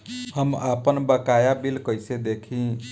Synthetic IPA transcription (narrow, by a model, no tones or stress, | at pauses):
ɦəmapənbəkajabilkəjsed̪ekʰĩ